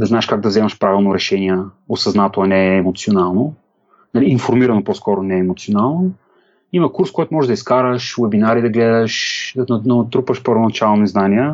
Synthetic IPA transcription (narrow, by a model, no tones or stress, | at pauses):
d̪ɐznaɛʃkaɡ̚d̪ɐvzɛmɐʃpɾavʲilˠnoɾɛʃɛniɛ | osɐznat̪oɐnɛːmot̪sionalˠno | nɐliːnfoɾmiɾɐnopɔskɔɾonɛːmot̪sionalˠno | imɐkuɾskɔjt̪ʊmɔʒɛd̪ɐiskaɾəʃvɛbinaɾid̪ɐɡlɛd̪əʃnnt̪ɾupvəʃpəɾvonɐt͡ʃalˠoniznaniɛ